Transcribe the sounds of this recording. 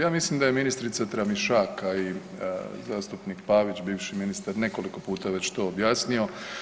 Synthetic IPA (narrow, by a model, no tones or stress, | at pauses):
jaːmislimd̪ajeminist̪ɾit̪sat̪ɾamiʃaːkaḭ | zaːst̪upnikpaːʋit͡ɕbiːʋʃiminist̪aɾne̞ko̞liko̞puːt̪aʋe̞t͡ɕt̪o̞ːbjaːsnio̞